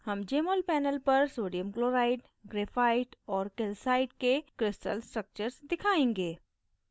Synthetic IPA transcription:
hɐmd͡ʒeːmoːlpɛːnəlpɐɾsoːɖijəmkloːɾaːɪʈ | ɡɾeːfaːɪʈɔːɾkɪlsaːɪʈ̚kekɾɪsʈə̰lsʈɾək̚t͡ʃəɾsd̪ɪkʰaːẽːŋɡeː

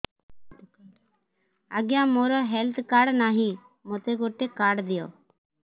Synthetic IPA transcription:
aːɡjãːmoːɾɔɦɛlt̪ʰkaːɽnaːɦĩː | moːt̪eɡoːʈekaːɖd̪ɪjo̰ː

